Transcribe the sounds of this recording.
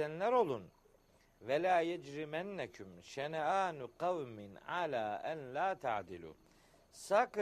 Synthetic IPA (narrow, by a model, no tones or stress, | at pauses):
ænlʲæɾo̞lˠun | vɛlaːjad͡ʒɾimænːakʰʊmʃɛnaːnʊqɑwmɪnʕalaːʔænlaːt̪ʰa̰ʕd̪ilṵː | sak